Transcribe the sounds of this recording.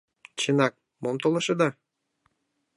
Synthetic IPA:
t͡ɕənɑk̚ | momt̪olɤ̆ʃɤ̆d̪ɑ

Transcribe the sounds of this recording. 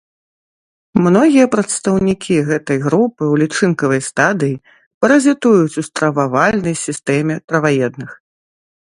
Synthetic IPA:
mnɔɣʲijɐpɾɐt̪st̪ɐwnʲikʲʰiɣɛt̪ɐjɣɾupɨwlʲit͡ʂɨnkɐvɐjst̪ad̪ɨji | pɐɾɐzʲit̪ujut͡sʲust̪ɾɐvavalʲnɐjsʲist̪ɛmʲɛt̪ɾɐvajɛd̪nɨx

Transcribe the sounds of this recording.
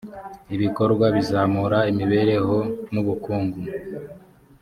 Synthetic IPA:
iβiko̞ɾɡwaβizaːmuɾaimiβe̞ɾe̞ho̞muβukuːŋɡu

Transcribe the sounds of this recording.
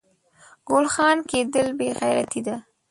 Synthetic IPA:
ɡ̥olxɑnked̪əlbeɣajɾa̰t̪id̪a

